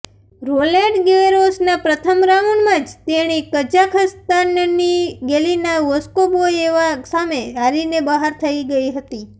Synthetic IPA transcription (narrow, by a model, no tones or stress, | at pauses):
ɾoleʈɡeeɾosnapɾət̪ʰəmɾaʋuɳmãd͡ʒt̪eɽ̃ikəd͡ʒakʰəst̪anniɡelinaʋoskoboeʋasameaɾinebəɦaɾt̪ʰəiɡəiɦət̪i